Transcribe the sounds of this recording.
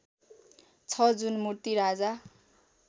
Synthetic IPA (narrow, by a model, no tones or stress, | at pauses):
t͡sʰʌd͡zunmurt̪iɾad͡za